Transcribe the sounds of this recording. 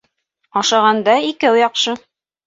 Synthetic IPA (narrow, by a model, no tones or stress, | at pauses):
ɑʃɑʁɑnd̪ɑikæwjɑqʃɤ